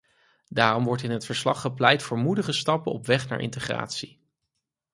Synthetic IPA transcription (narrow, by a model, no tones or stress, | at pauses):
daːrɔmʋɔɹtɪnɦətfəɹslɑχːəplɛjtfʊːɹmudəχəstɑpənɔpʋɛχna̰ːɹʔɪ̰ntəχra̰ːtsi